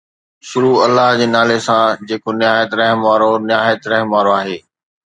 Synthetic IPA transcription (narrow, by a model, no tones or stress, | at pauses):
ʃʊɾuɐlːaɦd͡ʑeːnaːlesãd͡ʑeːkonɪaːjət̪ɾɐɦmʋaːɾonɪjaːjət̪ɾɐɦmʋaːɾoaːɦeː